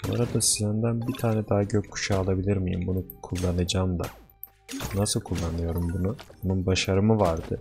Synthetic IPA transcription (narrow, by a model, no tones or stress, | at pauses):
oɾad̪asizɛnd̪ænbit̪ʰaːnɛd̪aɦaɟøckʰːu̥ʃaːlˠabilʲiɾmijḭmbunukʰulˠːanad͡ʒaːmd̪a̰ | nasɯlˠkʰulˠːanɯjo̞ɾumbunubununbaʃaɾɯmɯvaɾd̪ɯ